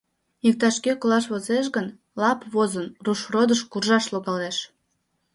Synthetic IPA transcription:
ik̚t̪ɑʃkekolɑʃβozeʃ̬ɣən | lɑpβozənruʃrod̪əʃkurʒɑʃloɣɑleʃ

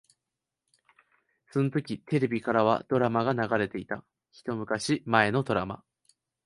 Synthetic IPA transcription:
so̞no̞t̪o̞kʲit̪e̞ɾe̞bʲikaɾaβ̞a̰d̪̥o̞ɾamaɡanaɡaɾe̞t̪e̞it̪a | çi̥t̪o̞mɯ̟kaɕimae̞no̞d̪o̞ɾama̰

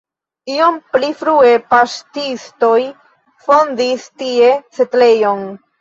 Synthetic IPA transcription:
io̞mplifɾue̞pastisto̞j | fo̞ndistie̞setle̞jon

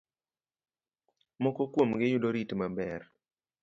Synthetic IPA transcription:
mɔkɔkwomɡɪjʊdoɾitmabɛr

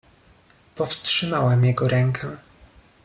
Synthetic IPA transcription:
pɔfstʂɘmawɛmjɛɡɔɾɛŋkʰɛ

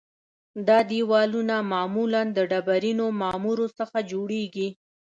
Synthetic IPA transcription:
d̪ɑd̪iwɑlunamɑmuland̪əɖabaɾinomɑmuɾosəxad͡ʒoɽeɡi

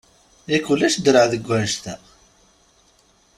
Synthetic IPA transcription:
ikulːæʃd̪ɾəʕðəɡʷːæʃt̪æ

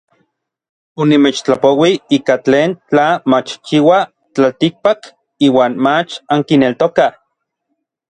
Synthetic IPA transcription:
onimeːt͡ʃt͡ɬapowiiːkat͡ɬeːnt͡ɬamat͡ʃt͡ʃiwa | t͡ɬalt̪ik̚pak | iːwaːnmat͡ʃaŋkinelt̪oka

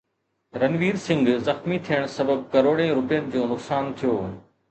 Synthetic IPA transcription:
ɾɐnʋiːɾsɪ̃ŋɡzɐxmit̪ʰijəɽ̃sɐbəb̚kɐɾoːɽẽɾʊpijənɪ̆d͡ʑoːnʊksaːnt̪ʰijoː

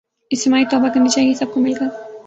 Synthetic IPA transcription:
ɪst̪ɪmaːit̪ɔːbakɐɾnit͡ʃaːɦiesɐb̚komɪlkɐɾ

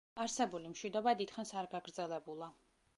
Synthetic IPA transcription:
aɾsɛbulimʃwid̪ɔbad̪it̪χansaɾɡaɡɾd̪zɛlɛbulˠa

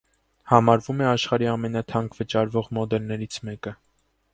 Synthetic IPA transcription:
hɑmɑɾvumɛɑʃχɑɾiɑmɛnɑt̪ʰɑŋkʰvət͡ʃɑɾvɔʁmɔd̪ɛlnɛɾit͡sʰmɛkə

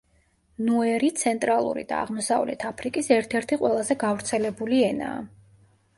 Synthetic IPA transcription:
nuɛɾit̪sʰɛnt̪ʼɾalˠṵɾḭd̪̥a̰a̰ʁmɔsavlɛ̰t̪ʰapʰɾikʼisɛɾt̪ʰɛɾt̪ʰiqʼwɛlˠazɛɡavɾt̪sʰɛlɛbuliɛna̰ː

